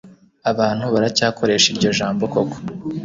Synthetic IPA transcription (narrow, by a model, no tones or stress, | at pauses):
aβaːn̥huβaɾacaːkʰo̞ɾe̞ːʃiɾɟo̞ʒaːmbo̞koko̥